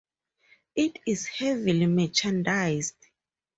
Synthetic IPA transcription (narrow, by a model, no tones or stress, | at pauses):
itʰizhɛvilimɛt͡ʃãndajzd